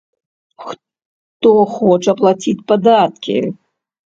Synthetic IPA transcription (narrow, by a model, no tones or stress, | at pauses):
x | t̪ɔxɔt͡ʂɐplˠat͡sʲit͡sʲpad̪at̪kʲḭ